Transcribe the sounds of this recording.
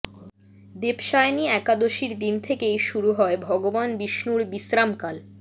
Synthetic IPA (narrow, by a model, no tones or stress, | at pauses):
d̪epʃaeniɛkad̪oʃiɾd̪int̪ʰekejʃuɾuɦɔebʱɔɡobanbiʃnuɾbisɾamkal